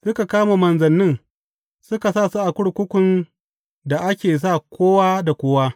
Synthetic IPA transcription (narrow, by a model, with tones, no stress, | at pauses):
sʊ˦ka˨kaː˦ma˨mɐ˨nzɐ˨nːɪ˦ŋ | sʊ˦ka˨saː˦˨su˦ʔa˨kʷʊ˦ɽkʷʊ˦kʷʊ˨n | da˨ʔa˦kʲeː˨s̬a˦˨kʷʰoː˦wa˦da˨kʷoː˦wa˦